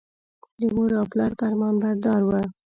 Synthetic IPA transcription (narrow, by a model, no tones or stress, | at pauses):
d̪əmoɾɑplɑɾpaɾmɑnbad̪ɑɾwa